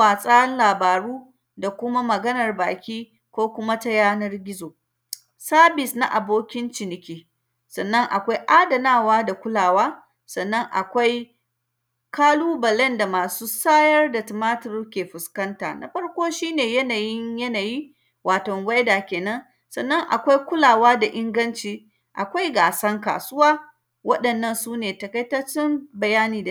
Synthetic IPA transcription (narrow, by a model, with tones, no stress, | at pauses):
aː˨sʼaː˦ɐ˦nlaː˨baː˨ɽuː˦ | da˨kʷʊ˦ma˦mɐ˨ɡɐ˦nɐ˨rbaː˨kʲiː˦ | kʷoː˦kʷʊ˦ma˦ta˦jaː˦nɐ˦rɡʲɪ˦zoː˨ | saː˦bɪ˨sna˦ʔa˨boː˦kʲɪ˦nt͡ʃɪ˨nɪ˨kʲiː˦˨ | sɐ˨nːɐ˦ŋʔa̰˨kʷa˦jʔaː˦dɐ˨naː˦˨waː˦da˨kʷʊ˦laː˨waː˦ | sɐ˨nːɐ˦ŋʔa̰˨kʷa˦j | kaː˦luː˦bɐ˨lɛ˦nda˨maː˨suː˦saː˦jɐ˦rda˨tɪ˨maː˦tɪ˨ɾu˦kʲeː˨ɸʊ˨skɐ˦nta̰ː˨na̰˨ɸɐ˦ɽkʷoː˦ʃiː˦neː˨jɐ˦naː˨jɪ˦ɲjɐ˦naː˨jiː˦ | waː˨tɔ˨ŋwa˦jdaː˨kʲeː˨nɐ˦n | sɐ˨nːɐ˦ŋʔa̰˨kʷa˦jkʷʊ˦laː˨waː˦da˨ʔɪ˦ŋɡɐ˦nt͡ʃiː˨ | ʔa̰˨kʷa˦jɡaː˨sɐ˦ŋka̰ː˨sʊ˦waː˦ | wɐ˦ɗɐ˨nːɐ˦˨nsuː˦neː˨tɐ˨kɐ˦jtɐ˦t͡ʃɪ˦mbɐ˨jaː˦niː˨d